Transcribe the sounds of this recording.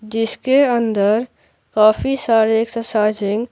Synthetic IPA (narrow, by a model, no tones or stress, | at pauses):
d͡ʒɪskeə̃nd̪əɾ | kaːfisaːɾeːksɐsaːd͡ʒɪ̃ŋɡ